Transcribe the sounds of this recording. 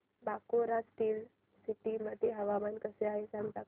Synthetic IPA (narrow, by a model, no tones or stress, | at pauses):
bakoɾasʈiːl | siʈiməd̪ʱeɦəʋamankəseaɦesãŋɡt̪a